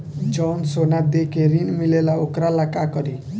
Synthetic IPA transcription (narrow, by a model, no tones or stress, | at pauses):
d͡zʌwnsonad̪ekeɾinmilelaokɾalakakʌɾi